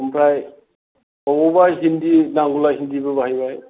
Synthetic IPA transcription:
ɯmpʰɾaj | ɔwɔbaɦindinaŋɡulahindibɯbaɦajbaj

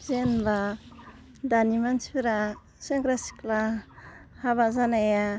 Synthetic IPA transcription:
zenba | danimansiɾa | seŋɡɾasi̥kla | haβazanaja

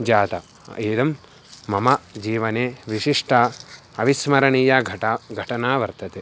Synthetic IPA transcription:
d͡ʒaːt̪ɐ̰ | eːd̪ɐmː | ɐmɐd͡ʒiːʋɐneːʋiʂiʂʈʰɐ | ɐʋismɐɾɐɳiːjɐɡʱɐɡʱɐʈɐnaːʋɐɾt̪ʰɐt̪eː

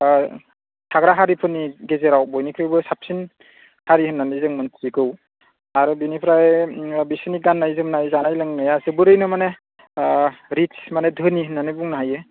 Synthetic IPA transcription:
tʰaɡɾaɦaɾipʰɯnːiɡezeɾawbɔjnipʰɾajbɯsap̚sin | haɾihɯnːanizɯŋmɯntʰɾiɡɯw | aɾɯbinipʰɾajabisɯniɡanːajzɯmnajzanajlɯŋnajasɯbɯɾɯjnɯmane | ɾit͡ʃmanedʱɯniɦɯnːanɯbuŋnaɦajɯ

